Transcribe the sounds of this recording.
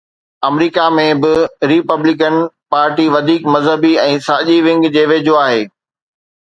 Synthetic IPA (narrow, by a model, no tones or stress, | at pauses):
ɐmɾiːkamẽbɪɾipəblɪk̬ənpaːɾʈiʋɐd̪ʱiːkmɐzɦəbiɛ̃ːsaːʄiʋɪ̃ŋɡd͡ʑeːʋeːd͡ʑʱoaːɦeː